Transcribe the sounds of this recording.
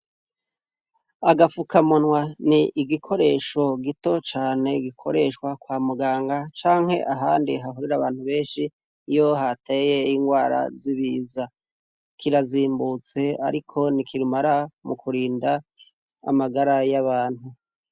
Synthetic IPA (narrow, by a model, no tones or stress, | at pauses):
aɡafukamonwaniʔiɡikʰo̞ɾe̞ːʃo̞ɡito̞t͡ʃaːne̞ɡikʰo̞̰ɾe̞ʃkwakwaːmuɡaːŋɡat͡ʃaːŋhe̞̰ʔaɦaːndiɦaɦuɾiɾaβaːn̥huβe̞ːnʃi | jo̞ɦateje̞iŋɡwaːɾa̰ziβiːza | kʰiɾaziːmbut͡se̞a̰ɾikʰo̞nikʰiɾimaɾamukʰuɾiːnda̰ː | maɡaɾajaβaːn̥hu